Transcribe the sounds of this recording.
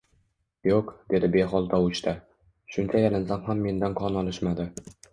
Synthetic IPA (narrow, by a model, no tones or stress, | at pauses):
joqd̪̥e̞d̪ɪbe̞ɦɒlˠt̪ʰaʊt͡ʃt̪ʰa | ʃʊnt͡ʃʰajalɪnsamhamːe̞nd̪anqʰɒnɒlˠɪʃmad̪ɪ